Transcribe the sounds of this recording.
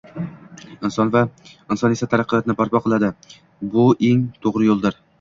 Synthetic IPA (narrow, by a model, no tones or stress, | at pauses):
ɪnsɒnvaɪnsɒne̞sat̪ʰaɾaqːɨjɒt̪ɪnɪpʰaɾpɒqʰɨlˠad̪ɪ | bʊeŋt̪ʰoʁɾɪjolˠd̪ɪɾ